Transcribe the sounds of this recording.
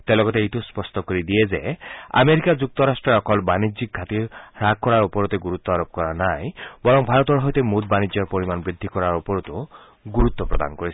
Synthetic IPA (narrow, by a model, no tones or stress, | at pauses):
t̪elɔɡɔt̪eit̪uspɔstɔkoɾid̪iezea̰meɾikad͡ʒuk̚t̪ɔɾasʈɾɔɾɔkɔlbanid͡ʒik̚ɡʱat̪iɾaɡ̚kɔɾaɾupɔɾɔt̪eɡuɾut̪ːɔaɾɔp̚kɔɾanajbɔɾɔŋbʱaɾɔt̪ɔɾɦɔjt̪emud̪̚banid͡ʒɔɾpoɾimanbɾid̪ʱːikɔɾaɾupɔɾɔt̪u | ɡuɾut̪ːɔpɾɔ̰d̪a̰nkɔɾisʰi̥